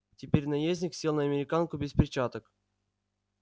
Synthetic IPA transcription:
tʲɪpʲeɾʲnajezʲnʲiksʲilˠnəɐmʲɪɾʲɪkankʊbʲɪspʲɾʲɪt͡ɕat̪ək

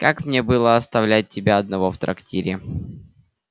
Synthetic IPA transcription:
kakmnʲebɨlˠəɐst̪ɐvlʲæt̚ʲtʲːɪbʲaɐd̪nɐvo̞ft̪ɾɐ̰ktʲiɾʲɪ

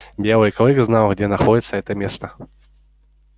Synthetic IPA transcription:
bʲjɛlˠɨjkɐlˠɛɡznawɣd͡zʲɛnaxɔd͡zʲit̪sːɐɛt̪ɐmʲɛst̪ɐ

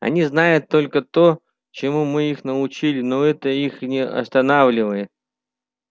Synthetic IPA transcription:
ɐ̰nʲiznajʊt̪ːo̞lʲkət̪o | t͡ɕɪmumɨixnəʊt͡ɕilʲɪnoɛt̪əixnʲɪɐ̰st̪ɐnavlʲɪvəjɪt̪̚

